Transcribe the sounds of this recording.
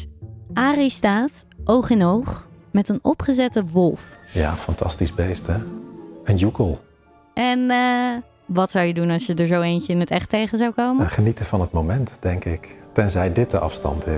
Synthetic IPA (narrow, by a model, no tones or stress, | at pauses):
ʔaːristaːt | ʔowχɪnɦowχmɛtənɔpχəzɛtəʋɔlˠfja̰ːfɑntʰɑ̰stizbejstɛənjukəlˠ | ʔɛn | ʋɑtsawjədunɑsjədəɹzowejncəɪnətɛχtejχənzawkowməχənitəvɑnət̚mowmɛntd̥ɛŋkɪktɛnzɛjdɪt̚dəʔɑ̰fstɑ̰ntɪ